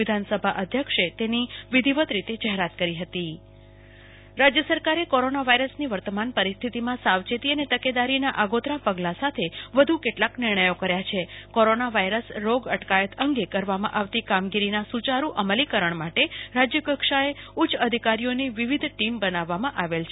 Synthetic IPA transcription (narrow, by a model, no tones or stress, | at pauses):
ɪd̪ʱansəbʱaʔəd̪ʱjəkʂet̪eniʋɪd̪ʱiʋət̪ɾit̪ed͡ʒəɦeɾat̪kəɾiɦət̪i | ɾad͡ʒjəsəɾkaɾekoɾonaʋaiɾəsniʋəɾt̪əmanpəɾist̪ʰit̪imãsaʋt͡ʃet̪iənet̪əked̪aɾinaʔaɡot̪ɾapəɡlãsat̪ʰeʋəd̪ʱukeʈlaknɪɾɳəjokəɾjat͡ʃʰekoɾonaʋajɾəsɾoɡəʈkajət̪ʰəŋɡekəɾʋamã̰ʔaʋt̪ikamɡiɾinasut͡ʃaɾuʔəməlikəɾəɳ̃maʈeɾad͡ʒjəkəkʂaeut͡ʃʰəd̪ʱikaɾijoniʋiʋid̪ʱʈimbənaʋːamãʔaʋelt͡ʃʰe